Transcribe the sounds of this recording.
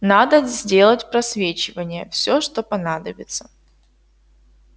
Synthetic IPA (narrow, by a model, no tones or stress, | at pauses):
nad̪əzʲdʲe̞lˠətʲpɾɐsvʲet͡ɕɪvənʲɪjəfsʲoʂt̪opɐnad̪əbʲɪt̪sə̥